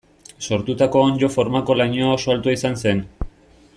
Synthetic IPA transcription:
so̞ɾt̪ut̪ako̞onʎo̞fo̞ɾmako̞lajɲoaosoalt̪uaisanse̞n

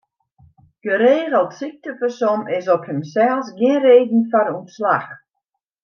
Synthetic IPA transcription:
ɡ̥əɾeːɣəlˠtsik̚təfəsɔmɪsɔphəmsɛlˠsɡjɪnreːdn̩faɾunsla̰x

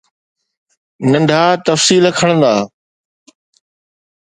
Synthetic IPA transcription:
nɐ̃ɳɖʱaːt̪ɐfsiːləkʰəɽə̃nd̪aː

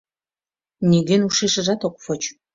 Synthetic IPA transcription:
niɣenuʃeʃə̆ʒɑt̪okfot͡ɕ

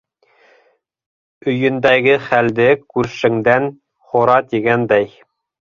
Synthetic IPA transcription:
ɵ̆jɵ̆nd̪æɡɘχæld̪ɘkʉɾʃɘ̆ŋd̪æn | χŏɾɑt̪iɡænd̪æj

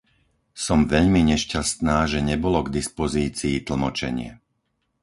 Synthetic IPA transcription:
sɔmʋɛʎmiɲɛʃcast̪naːʒɛɲɛbɔlɔɡd̪ispɔziːt͡siːt̪l̩mɔt͡ʃɛ̰ɲɪɛ̰

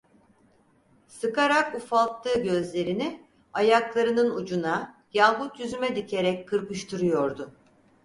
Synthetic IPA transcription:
sɯkaɾakufalˠt̪lˠɯːɟø̞zlʲe̞ɾini | ajaklˠaɾɯnɯnud͡ʒunajalˠbut̪jyzymɛd̪icʰe̞ɾɛc̚ʲkʰːɯɾkɯʃt̪ʰɯɾɯjo̞ɾd̪ʊ

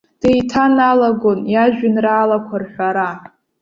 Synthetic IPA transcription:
d̥ejtʰanalaɡo̞njaʒᶣɪnraːlakʷʰarħʷᶣaɾa

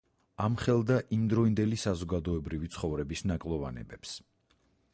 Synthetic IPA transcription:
amχɛlˠd̪aʔimd̪ɾɔind̪ɛlisazɔɡad̪ɔɛbɾivit̪sʰχɔvɾɛbisnakʼlˠɔvanɛ̰bɛps

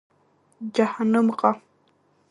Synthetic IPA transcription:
d͡ʒahanʊmqɑ

